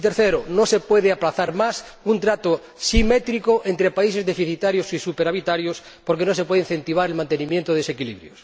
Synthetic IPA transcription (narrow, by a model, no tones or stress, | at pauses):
it̪eɾθeɾonosepweðeaplaθaɾmas | unt̪ɾat̪o | simet̪ɾikoʔent̪ɾepais̬ezðefiθit̪aɾjosisupeɾaβit̪aɾjos | poɾkenos̬epweðein̟θe̞nt̪iβ̞aɾelmãnt̪enĩmjent̪oðsekilḭβɾjos